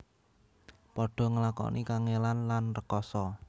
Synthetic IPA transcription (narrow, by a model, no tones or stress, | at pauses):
pɔɖ̥ɔ̤ŋəlakɔ̰nʔikaŋelanlanrəkɔsɔ